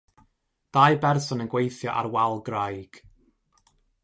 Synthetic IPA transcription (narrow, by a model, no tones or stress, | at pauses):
d̥ajbɛrsɔnənɡwejθjɔʔa̰rwalˠɡrajɡ̥